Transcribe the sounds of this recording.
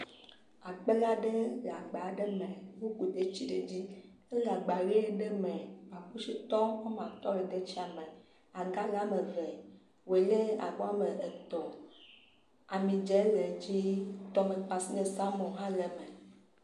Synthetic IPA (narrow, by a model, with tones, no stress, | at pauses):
a˨k͡pe˦la˦ɖe˦la˨ɡ͡ba˨˦ɖe˦mẽ˨wu˦ku˨t̪e˦t͡ɕi˦ɖe˨d͡ʑi˦ | e˦la˨ɡ͡ba˨ɾi˦e˦ɖe˦mɛ̃˨wa˨ɸu˦si˦t̪ɔ˦we˦mã˨t̪ɔ˦e˨d̪e˦t͡ɕi˦a˨mẽ˨ | a˨ɡa˦la˦mẽ˨vɛ˨ | wo˨e˨le˦a̰˨bɔ˦a˦me˨e˨t̪ɔ˨ | a˨mĩ˨d͡ʒɛ˦le˨d͡ʑi˦t̪ɔ˦mẽ˨k͡pa˨si˦nẽ˨sa˦mɔ̃˨ɦã˦le˨me˨